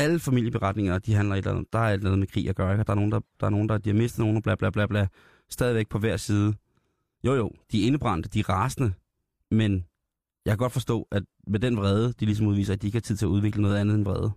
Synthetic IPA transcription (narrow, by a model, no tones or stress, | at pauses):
æləfæmil̰jəb̥e̝ʁɑ̈d̥ne̝ŋɐd̥iɦænlɐe̝d̥læ̰nð̩̰ˠd̥ɑ̈æɐe̝d̥lænð̩ˠmekʰʁḭːjɑ̈ɡ̥ɶɐeɡ̥ɒd̥ɑ̈æɐno̝ːn̩d̥ɑ̈d̥ɑ̈æɐno̝ːn̩d̥ɑ̈d̥ihɑ̈me̝sd̥ð̩no̝ːnɑb̥læblæb̥læb̥læ | sd̥ɛːð̞ˠiʋeɡ̥̚pʰɒ̽ʋæɐ̰siːð̞ˠə | jo̝̰jo̰ʊd̥iæɐe̝nəb̥ʁɑ̈n̰d̥əd̥iæʁɑ̈snə | men | jɑɪkʰæɡɒ̽d̥fɒ̽sd̥ɔ̰̽ːʔæd̥ | med̥enʋʁɛːð̞ˠəd̥ilisɒ̽muð̞ˠʋḭːsɐæd̥ieɡ̥əhɑ̈t͡sʰið̰ˠt͡sʰe̝æuð̞ˠʋe̝ɡ̥lənɔ̽ːð̞ˠænð̩ˠenʋʁɛ̰ːð̞ˠə